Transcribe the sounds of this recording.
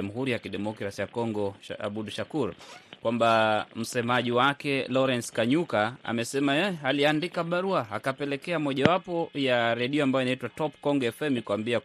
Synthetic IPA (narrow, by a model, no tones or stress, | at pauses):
muɦuɾijakiɗɛmɔkɾasijakɔŋɡɔa̰ɓuɗuʃakuɾkwambam̩sɛmaʄiwakɛlɔɾɛnskaɲukaa̰mɛsɛmaɛaliandikaɓaɾuaa̰kapɛlɛkɛamɔʄawapɔjaɾɛɗiɔambajɔinaitwatɔpkɔŋɡɔɛfɛmikuambia